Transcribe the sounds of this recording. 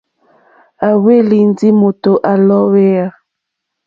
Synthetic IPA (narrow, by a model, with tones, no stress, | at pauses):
a˨we˦li˨n˦di˦mo˨to˨ʔa˨lɔ˦we˦a˦